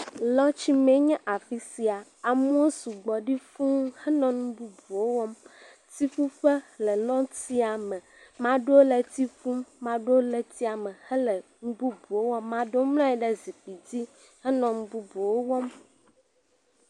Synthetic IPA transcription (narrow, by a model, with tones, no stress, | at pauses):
lɔ̃˦t͡ɕi˦mɛ̃˨˦ɲɛ̃˦ʔa˨fi˦si˨a˨a˨mũ˦o˦su˨ɡ͡bɔ˨ɖi˦fũ˦hɛ˦nɔ̃˦nũ˦bu˦bu˨wo˦wɔ˦m | t̪i˦fu˦ɸɛ˦lɛ˨lɔ̃˦ti˦a˨mɛ̃˨ | mã˦ɖo˦lɛ˨t̪i˦fũ˦mmã˨ɖo˦lɛ˨t̪i˦a˨mɛ˨hɛ˦lɛ˨ŋũ˦bu˦bu˨wo˦wɔ˦mːã˨ɖo˦mlɔ̃˦ɛ˦ɖɛ˦zi˨k͡pi˨di˦ | hɛ˦nɔ̃˨nũ˦bu˦bu˨wo˦wɔ˦m